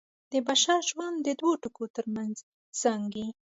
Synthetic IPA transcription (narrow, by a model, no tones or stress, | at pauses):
d̪̥əbaʃɑʒwand̪d̪əd̪woʈʊkot̪əɾmanz | saŋɡi